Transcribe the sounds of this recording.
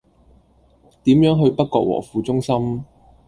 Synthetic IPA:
t̪iː˨˥mjœː˨˥ŋɦɵ˧ɥpɐ˥t̚kɔː˧k̚wɔ̰ː˨˩fuː˧t͡sʊ˥ŋsɐ˥m

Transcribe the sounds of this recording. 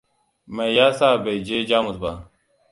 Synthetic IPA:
mɐ˨ja˦saː˦be˨id͡ʑe˦d͡ʑaː˦musba˨

